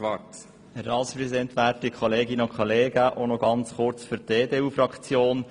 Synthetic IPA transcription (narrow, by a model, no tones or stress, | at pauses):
ʋɑt | əɾɑlspɾɛsid̪ɛnt̪ʋæːɾtikʰχɔleːɡɪnəʊnkʰχɔleːɡəʔonɔɡɑnt͡sχʊɾt͡sfyɾteːdeːuːfɾɑkt͡sjoːn